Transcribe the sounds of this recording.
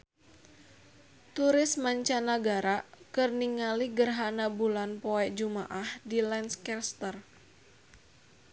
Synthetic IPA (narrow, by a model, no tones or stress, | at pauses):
t̪uɾɪsmaɲt͡ʃanaɡaɾakərniŋaliɡərɦanabulanpɔɛd͡ʒumaʔahdilɛnskɛrst̪ər